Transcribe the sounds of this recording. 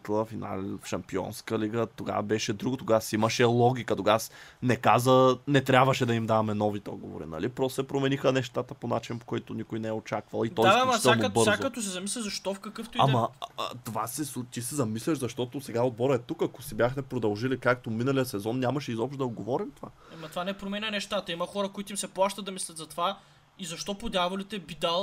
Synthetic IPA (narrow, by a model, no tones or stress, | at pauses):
k̪lˠəfina̰lʃɐmpiɔ̰nskəliɡət̪oɡa̰vbɛʃɛd̪ɾuɡot̪oɡasiməʃɛlˠɔɡ̟ʲikət̪oɡasnɛkazənɛt̪ɾʲjabvəʃɛd̪ɐimd̪avɐmɛnɔvit̪ɛɔ̰d̪ɡo̰vo̰ɾḭnɐ̰lipɾɔst̪osɛpɾomɛnixənɛʃt̪at̪əponat͡ʃinpo̥koit̪ʊnikojnɛɛot͡ʃakvəlˠitt̪ɔjsɛlnobɤɾzaoɐt̪os̬ɛzɐmislʲɐzɐʃt̪ɔfkɐkɤft̪iamɐ̰t̪ovasɛsut̪isɛzɐmislʲɐʃzɐʃt̪ɔt̪osɛɡaod̪̚bɔɾəɛt̪ukɐkʊ̥sibʲjaxmɛpɾod̪ɐlˠʒilikakt̪ominɐlijəsɛzɔnnʲamɐʃɛizɔpʃt̪d̪ɐod̪ɡovɔɾimt̪ova̰ | ɐmɐt̪ovanɛpɾomɛnʲɐnɛʃt̪at̪ɐimɐxɔɾəkoit̪ʊimsɛplˠaʃt̪ət̪ːɐmislʲɐt̪zɐt̪ova | izɐʃt̪ɔpod̪ʲjavolit̪ɛbid̪alˠ